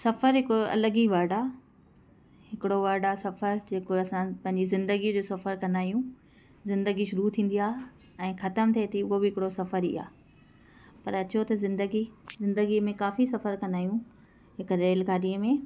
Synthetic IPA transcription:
sɐfəɾɦɪkoɐ̰ləɡiʋaːɖa | hɪkɪɽoʋaːɖasɐfəɾd͡ʑeːkoɐsãpɐ̃ɦɪ̃ɲd͡ʑizɪ̃nd̪əɡid͡ʑoːsɐfəɾkɐ̃nd̪aːjũ | zɪ̃nd̪əɡiʃʊɾut̪ʰĩːn̆d̪ijaːɦ | ɛ̃ːxɐt̪əmt̪ʰieːt̪ʰiʊɦobɪɦɪkɪɽosɐfəɾḭːa̰ː | pɐɾɐt͡ɕot̪ɐzɪ̃nd̪əɡizɪ̃nd̪əɡimẽkaːfisɐfəɾkɐ̃nd̪aːjũ | ɦɪkɾeːlɡaːɗiəmẽ

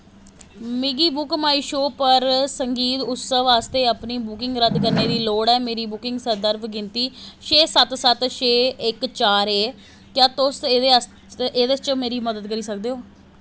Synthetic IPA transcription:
miɡiːbʊkmaːiːʃoːpəɾsəŋɡiːt̪ʊt̪səʋaːst̪eːapniːbʊkɪŋɡɾəd̪kəɾneːd̪iːloːɽɛːmeːɾiːbʊkɪ̃ŋɡsəɾd̪əɾbɡɪnt̪iːʃeːsət̪sət̪ʃeːɪkt͡ʃaːɾeː | kjaːt̪oses | eːd̪est͡ʃəmeːɾiːməd̪əd̪kəɾiːsək̚d̪eːoː

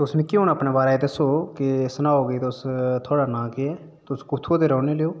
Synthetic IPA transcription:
t̪ʊsnĩːkiɦoːnaːpneːbaːɾaːeːd̪əsoːkɪsənaːoːɡəiːt̪ːst̪ʰoːɽaːnãːkeɛː | t̪ʊskʊt̪ʰoːt̪eːɾɔːneːleoː

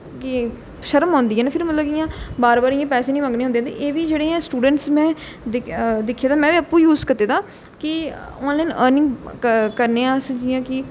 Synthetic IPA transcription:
kɪ | ʃəɾəmɦɔ̃ːnd̪iːɛːneːpʰɪɾmət̪ləbɪjãːbaːɾbaːɾɪjãːpɛːseːnĩːmə̃ŋɡneːɦnd̪eːaːd̪ḛʔeːʋiːd͡ʒeːɽeːɛ̃ːsʈuːɖəɳʈsmɛ̃ː | d̪ɪd̪ɪkʰːjaːd̪aːmɛ̃ːʋiːəpːuːjuːzkəɾt̪eːt̪aː | kɪɔːnlaːnəːɾnɪ̃ŋɡkəɾneːãːsd͡ʒɪjãːkɪ

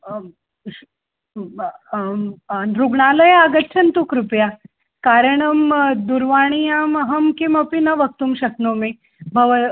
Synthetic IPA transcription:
anɾuɡɳaləjaɡət̪ːɕʰɐnt̪ukɾupja | kaɾəɳəmd̪uɾʋaɽ̃iamɐɦɐmkimɐpinɐʋək̚t̪uːmɕɐknomi | bʱəʋə

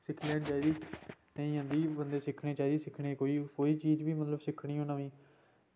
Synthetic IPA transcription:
sɪkʰleːnt͡ʃaːid̪iː | nəĩːɦãːnd̪iːbənd̪eːsɪkʰɽeːt͡ʃaːid̪iːsɪkʰɽeːkoːiːkoːiːt͡ʃiːd͡ʒʋiːmət̪ləbsɪkʰɽiːɦõːnãːʋĩː

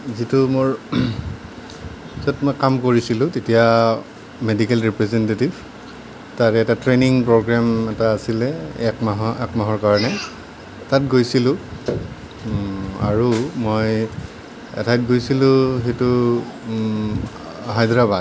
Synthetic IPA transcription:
zitʊmoɹ | zɔtmojkamkoɹisilʊ̃tetija | medikɛlɹipɹɛzɛntetiv | taɹɛɛtatɹeniŋpɹɔɡɹamɛtaːsilɛɛkmaɦɔɛ̰kmaɦɔɹkaɹɔnɛ | tat̚ɡojsilʊ̃ | a̰ɹumoj | ɛ̰tʰajt̚ɡojsilʊ̃xetʊ | ɦajdɹabad

